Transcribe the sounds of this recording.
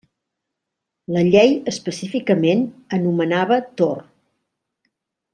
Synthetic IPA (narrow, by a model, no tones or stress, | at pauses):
ləʎejəspəsifikəmenənumənaβət̪or